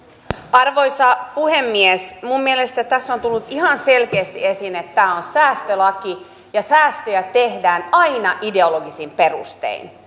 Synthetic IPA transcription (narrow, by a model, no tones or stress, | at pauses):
ɑrʋojsɑpuhemːiesmumːielest̪æt̪æsːont̪ulːut̪ihɑnselkeːst̪iesinet̪tːæːonsæːst̪ølɑki | jɑsæːst̪øjæt̪ehdæːnɑinɑʔide̞oloɡisimperṵst̪ḛin